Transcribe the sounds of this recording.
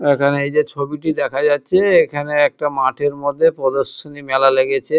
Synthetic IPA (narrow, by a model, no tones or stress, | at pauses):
ekʰaneejd͡ʑet͡ɕʰobiʈid̪ɛkʰad͡ʑatːɕʰeekʰaneɛk̚ʈamaʈʰeɾmod̪ʱːepɾɔd̪oʃonimɛlaleɡet͡ɕʰe